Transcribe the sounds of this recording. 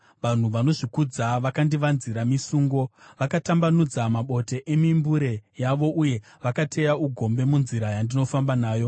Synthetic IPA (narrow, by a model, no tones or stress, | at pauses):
ʋan̤uʋano̞ʐikud͡zaʋakandiʋanziɾamisuːŋɡo̞ʋakatambanud͡zamaɓo̞te̞ʔemimbuɾe̞jaʋo̞ʔuje̞ | ʋakatʰe̞jauɡʱo̞mbe̞munziɾajandino̞fambanaːjo̞